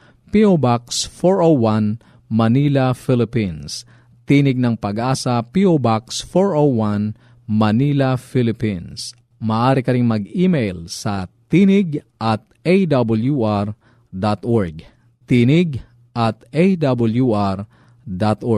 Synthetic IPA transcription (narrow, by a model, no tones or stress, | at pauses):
piʔobaksfoɹʔowan | mɐnilɐfɪlɪpins | t̪iːnɪɡ̚nɐŋpɐɡʔaːsɐpiʔobaksfoɹowwan | mɐniːlɐfilɪpins | mɐːʔaːɾɪkɐɾɪŋmɐɡimejlsɐt̪inɪɡʔɐt̪̚ʔejd̪ɐbɐljuʔaɹ | d̪at̪ʔoɹɡ | t̪inɪɡ | ʔɐt̪ejd̪ɐbljuʔaɾ | d̪at̪ʔo